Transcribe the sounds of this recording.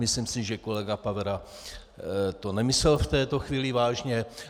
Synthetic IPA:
mɪslimsɪʒɛko̞lɛɡapavɛɾa | t̪o̞nɛmɪsɛlft̪ɛːt̪o̞xviːlɪvaːʒɲɛ

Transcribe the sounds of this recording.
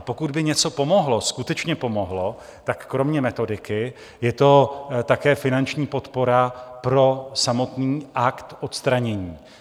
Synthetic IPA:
po̞kud̪bɪɲɛt͡so̞po̞mo̞ɦlo̞skut̪ɛt͡ʃɲɛpo̞mo̞ɦlo̞ | t̪akːɾo̞mɲɛmɛt̪o̞dɪkɪ | jɛt̪o̞t̪akɛːfɪnant͡ʃɲiːpo̞t̪po̞ɾapɾo̞samo̞t̪niːʔakt̪ʔo̞t̪st̪ɾaɲɛɲiː

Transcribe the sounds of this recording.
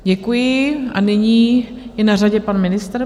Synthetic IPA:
ɟɛkujɪʔa̰nɪɲiː | jɛnaraɟɛpanmɪnɪst̪ɾ

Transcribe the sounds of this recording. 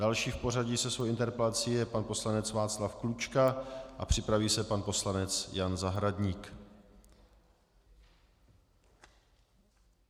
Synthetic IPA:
d̥alʃiːfpo̞raɟisɛsvowʔɪnt̪ɛɾpɛlat͡siːjɛpanposlanɛt͡svaːt͡slafklut͡ʃkaʔapr̝̥ɪpɾaviːsɛpanpo̞slanɛt͡sjanzaɦɾadɲiːk

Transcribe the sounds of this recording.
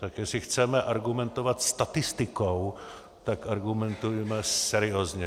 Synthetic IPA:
t̪akjɛsɪxt͡sɛmɛʔaɾɡumɛnt̪ovat̪st̪at̪ɪst̪ɪkow | t̪akaɾɡumɛnt̪ujɛmɛsɛɾɪoːzɲɛ

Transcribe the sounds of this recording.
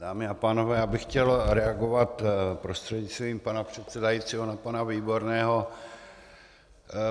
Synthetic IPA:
daːmɪapaːno̞vɛːjaːbɪxcɛlɾɛaɡo̞vat̪pɾo̞st̪r̥ɛdɲɪst̪viːmpanapr̝̥ɛt̪sɛdajit̪t͡siːɦo̞napanaviːbo̞ɾnɛːɦo̞

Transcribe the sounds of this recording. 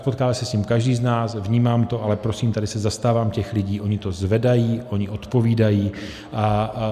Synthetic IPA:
po̞t̪kaːmɛsɛsɲimkaʒdiːznaːsvɲiːmaːmt̪o̞ʔalɛpɾo̞siːmt̪adɪsɛzast̪aːvaːmcɛxlɪɟiːʔo̞ɲɪt̪o̞zvɛdajiːʔo̞ɲɪʔo̞t̪po̞viːdajiː | ʔa

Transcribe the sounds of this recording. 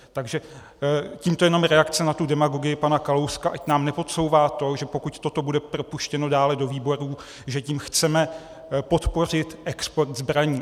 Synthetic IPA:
t̪aɡʒɛ | ciːmt̪o̞jɛno̞mɾɛakt͡sɛnat̪udɛmaɡo̞ɡɪjɪpanakalo̞wskaʔacnaːmnɛpo̞t̪so̞wvaːt̪o̞ʒɛpo̞kuct̪o̞t̪o̞budɛpɾo̞puʃcɛno̞daːlɛdo̞viːbo̞ɾuː | ʒɛciːmxt͡sɛmɛ | po̞t̪po̞r̝ɪt̪ʔɛkspo̞ɾt̪zbɾaɲiː

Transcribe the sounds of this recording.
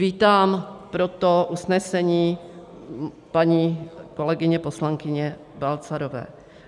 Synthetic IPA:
viːt̪aːmpɾot̪oʔusnɛsɛɲiː | paɲiːko̞lɛɡɪɲɛposlaŋkɪɲɛ | balt͡saɾovɛ̰ː

